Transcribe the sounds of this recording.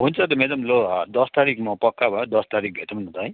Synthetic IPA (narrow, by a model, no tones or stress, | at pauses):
ɦunt͡sʰʌt̪ʌmed̪ʌmlod̪ʌst̪aɾikmʌpʌkːabʱʌjod̪ʌst̪aɾik̚bʱeʈ̪mʌnut̪ʌj̃